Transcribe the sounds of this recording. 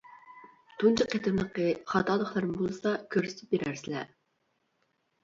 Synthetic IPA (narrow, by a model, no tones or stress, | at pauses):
t̪ʰunt͡ʃʰɑqʰːet̪ʰɨnlˠəqəχɑt̪ʰɑːlˠəχlˠɑɾmɨbolˠɨsɑkʲʰøɾsɪ̥t̪ʰɪ̥p̚beɾæɾsɪlɛ̰